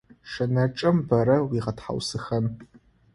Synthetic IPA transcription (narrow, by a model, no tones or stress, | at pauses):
ʂɐnɐʈ͡ʂʼɐmbɐɾɐwiːʁɐtħa̰wsɨxɐn